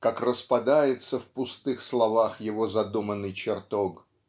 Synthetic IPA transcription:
kakrəspɐd̪ajɪt̪səfpʊst̪ɨxslˠɐvaxjɪvozɐd̪umənːɨjt͡ɕɪrt̪ok

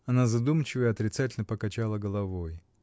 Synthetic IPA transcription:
ɐnazɐd̪umt͡ɕɪvəɪɐt̪ɾʲɪt̪satʲɪlʲnəpəkɐt͡ɕalˠəɡəlˠɐvoj

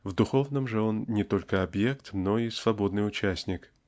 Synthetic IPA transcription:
vd̪ʊxo̞vnəmʐəo̞nnʲɪt̪o̞lʲkəɐbjekt̪no̞isvɐbo̞d̪nɨjʊt͡ɕæsʲnʲɪk

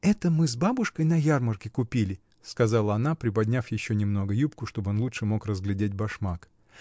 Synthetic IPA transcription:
ɛt̪əmɨzbabʊʂkəjnɐjarmərkʲɪkʊpʲilʲɪ | skɐzɑlˠəɐn̪apɾʲɪpɐdʲnʲafjɪɕːonʲɪmno̞ɡəjup̚kʊʂt̪o̞bɨo̞nlˠutʂɨmo̞krəzɡlʲɪdʲet̚ʲbɐʂmak

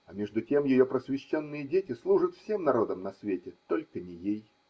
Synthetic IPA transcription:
ɐmʲeʐd̪ʊtʲemjɪjopɾəsvʲɪɕːonːɨjədʲetʲɪslˠuʐət̪fsʲe̞mnɐɾo̞d̪əmnɐsvʲetʲɪt̪o̞lʲkənʲɪjej

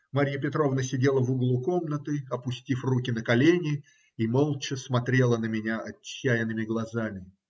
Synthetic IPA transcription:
maɾʲjəpʲɪt̪ɾo̞vnəsʲɪdʲelˠəvʊɡlˠuko̞mnət̪ɨɐpʊsʲtʲifrukʲɪn̪əkɐlʲenʲɪ | imo̞lˠt͡ɕɪsmɐt̪ɾʲe̞lˠənəmʲɪnʲaʔɐt͡ɕːæjɪnɨmʲɪɡlˠɐzamʲɪ

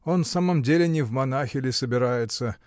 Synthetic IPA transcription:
o̞nsaməmdʲelʲɪnʲɪvmɐnaxʲɪlʲɪsəbʲɪɾajɪt̪sə

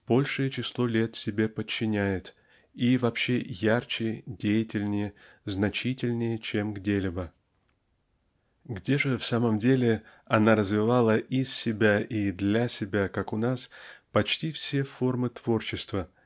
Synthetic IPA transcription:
b̥o̞lʲʂɨjət͡ɕɪslˠo̞lʲe̞t̪sʲɪbʲe̞pət͡ɕːɪnʲæjɪt̪ | ivɐpɕːe̞jart͡ɕɪdʲejɪtʲɪlʲnʲɪjə | znɐt͡ɕitʲɪlʲnʲɪjət͡ɕe̞mɡdʲelʲibə | ɡdʲeʐɨfsaməmdʲelʲɪ | ɐnaɾəzvʲɪvalˠəʔissʲɪbʲaʔid̪lʲasʲɪbʲakakʊnaspɐt͡ɕtʲifsʲe̞fo̞rmɨt̪v̥o̞rt͡ɕɪst̪və

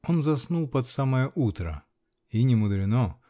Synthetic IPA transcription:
onzɐsnulˠpɐt̪saməjəʔut̪ɾə̰ | inʲɪmʊd̪ɾʲɪno

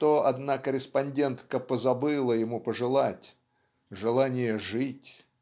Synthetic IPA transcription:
t̪oɐd̪nakəɾʲɪspɐnʲdʲe̞nt̪kəpəzɐbɨlˠəjɪmupəʐɨlˠatʲ | ʐɨlˠanʲɪjəʐɨtʲ

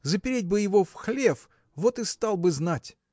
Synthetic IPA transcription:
zəpʲɪɾʲet̚ʲbɨjɪvofxlʲe̞f | vo̞t̪ɨst̪ɑlˠbɨznatʲ

